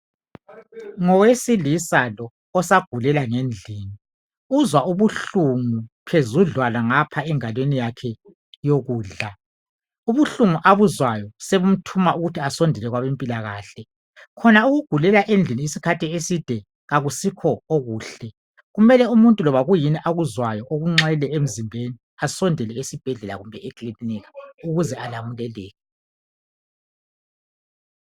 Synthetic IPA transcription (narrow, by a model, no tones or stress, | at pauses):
ŋɔwesilisalɔː | saɡ̥ʱulɛlaŋend͡ɮʱiːni | uzwauβuɬuŋupʰezuɮwalaŋapʰaɛŋalwenijakʰɛ | joɣuːɮa | uβuɬuŋuʔaβuzwajɔseβum̩tʰumauɣutʰiasondʱilɛɣwaβempʼilaɣa̰ːɬɛ | kʰɔnauɣuɡ̥ʱulɛlaʔend͡ɮʱiniisikʰatʰiesid̥ʱɛ | ɣaɣusikʰɔoɣuːɬɛ | ɣumɛlɛumuntʼulɔβaɣujiniʔaɣuzwajɔʔoɣuŋ͡ǁajilɛem̩zimbʱeni | asɔndʱɛlɛesib̥ʱɛɮɛla̰ɣumbʱɛekʼliniɣauɣuzɛalamulɛlɛːɣɛ